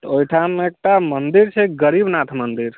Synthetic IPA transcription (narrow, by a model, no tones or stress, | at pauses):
t̪ojʈʰameek̚ʈamənd̪iɾt͡ʃʰeɡəɾibnat̪ʰmənd̪iɾ